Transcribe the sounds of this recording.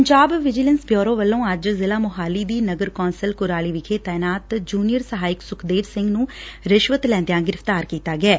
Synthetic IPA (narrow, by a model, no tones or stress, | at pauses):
əɲd͡ʒaːbʋɪd͡ʒɪlənsbjɔːɾõːʋəlːõːəd͡ʒzɪlaːmʊɦaːliːd̪iːnəɡəɾkɔːnsəlkʊɾaːliːʋɪkʰeːt̪ɛːnaːt̪d͡ʒuːnijəɾsəɦaːɪksʊkʰd̪eːʋsɪ̃ŋɡnũːɾɪʃʋət̪lɛ̃ːnd̪ejãːɡɪɾəft̪aːɾkiːt̪aːɡɛː